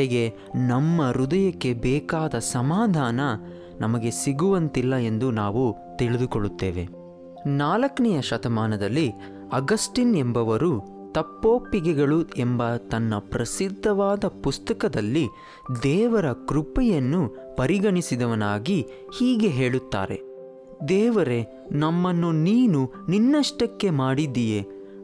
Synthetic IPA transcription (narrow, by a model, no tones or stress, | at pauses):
eɡe̞ | nɐmːɐɾud̪ɐjɐkːe̞bɛːkaːd̪ɐsɐmaːd̪ʱaːnɐ | nɐmɐɡe̞siɡuʋɐnt̪ilːɐe̞nd̪unaːʋu | t̪iɭid̪ukoɭːut̪ːḛːʋe̞̰ | naːlɐkɐnɛjɐʃɐt̪ɐmaːnɐd̪ɐlːi | ɐɡɐsʈinembɐʋɐɾu | t̪ɐpːoːpːiɡɛɡɐɭuembɐt̪ɐnːɐpɾɐsid̪ʱːɐʋaːd̪ɐpust̪ɐkɐd̪ɐlːi | d̪ɛːʋɐɾɐkɾupɛjɐnːu | pɐɾiɡɐɳisid̪ɐʋɐnaːɡi | hiːɡe̞ɦe̞ːɭut̪ːa̰ːɾe̞̰ | d̪ɛːʋɐɾe̞ | nɐmːɐnːuniːnu | ninːɐʂʈɐkːe̞maːɽid̪ːije̞